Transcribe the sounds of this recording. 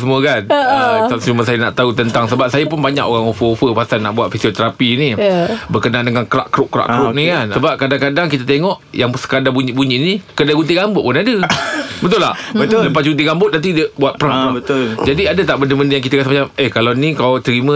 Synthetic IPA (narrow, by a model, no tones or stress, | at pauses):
səmuəkant͡ʃamsd͡ʒumas̬ajəna̰ʔt̪aut̪ənt̪aŋsəbap̚sajəp̬ʊnbaɲa̰koɾaŋofəofəpasalna̰ʔbuat̪fisiot̪əɾapinibərkənaʔndəŋankəɾa̰ʔkɾʊʔkːɾa̰ʔkɾʊʔ̚nikansəbap̚kadaŋkadaŋkit̪at̪eŋɔʔjaŋsə̥kadabuɲiʔbuɲiʔnikədaɡunt̪̬iɡambʊʔ̪̚pʊnadəbət̪̬ʊlahələpasɡunt̪̬iɡambʊt̪̚nant̪idiəbuat̪̚pəɾaabət̪ʊld͡ʒadiadət̪aʔbəndəbəndəjaŋk̬it̪akas̬əmat͡ʃaməkalanĩkawt̪əɾimə̃